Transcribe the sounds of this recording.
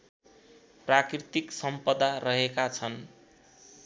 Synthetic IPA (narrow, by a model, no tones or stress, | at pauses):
prakrit̪iksʌmpʌd̪arʌɦekat͡sʰʌn